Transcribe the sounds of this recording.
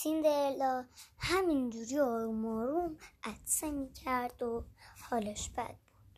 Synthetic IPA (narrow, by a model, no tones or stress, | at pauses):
sind̪eelɒhæmind͡ʒuɾiːɒːɾumɒːɾumʔæt̪semicʰæɾd̪ohɒːleʃbæ̰d̪̚b̥ud̥̪